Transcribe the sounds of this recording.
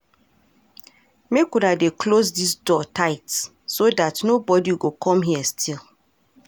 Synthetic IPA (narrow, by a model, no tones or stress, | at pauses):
mekunadeklosdisdɔtʰaɪtsː | odatnobɔdiuɡokʰɔ̃mɦiəstʰil